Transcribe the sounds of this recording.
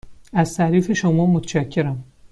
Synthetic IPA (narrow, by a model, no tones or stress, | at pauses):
æzt̪ʰæɾiːfe̞ʃomɒːmot̪ʰeʃækʰːeɾæm